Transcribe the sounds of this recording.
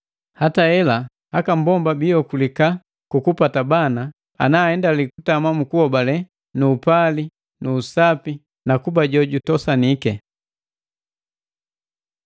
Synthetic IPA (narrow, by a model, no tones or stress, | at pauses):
hataɛla | hakambɔmbabiɔkulika | kukupatabana | a̰naːhɛndalikutamamukuhɔbalɛ | nuːpali | nuːsapi | nakubaɟɔɟutɔsanikɛ